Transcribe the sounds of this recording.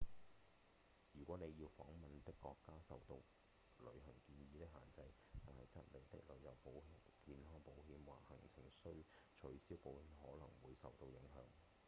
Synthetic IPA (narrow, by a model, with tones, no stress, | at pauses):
jyː˨˩kʷɔː˨˥ne˨˧jiː˧wfɔː˨˥ŋmɐ˨nt̪ɪ˥kːɔː˧kːaː˥sɐ˨wt̪o˧w | lɵ̰˨˧ɥhɐ˨˩ŋkiː˧njiː˧t̪ɪ˥k̚ɦa̰ː˨nt͡sɐ˧j | t̪aː˨nhɐ˨jt͡sɐ˥t̚le˨˧jt̪ɪ̰˥k̚lɵ˨˥ɥjɐ˨˧wpo˨˥wɦi˨ | kiː˧nhɔː˥ŋpo˨˥wɦiː˨˥mwaː˨˩hɐ˨˩ŋt͡sʰɪ̰˨˩ŋsɵ˥ɥ | t͡ʃʰɵ˨˥ɥsiː˥wpo˨˧whiː˨˧mɦɔː˨˥lɐ˨˩ŋwuː˨˧jsɐ̰˨wt̪o˧wjɪ˨˥ŋɦœ̰ː˨˥ŋ